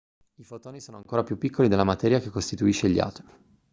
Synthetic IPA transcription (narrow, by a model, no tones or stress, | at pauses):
ifot̪oːnisoːnoaŋkoːɾapjupːikːolid̪elːamat̪ɛːɾjakekːost̪it̪uiʃːeʎːa̰ːt̪o̥l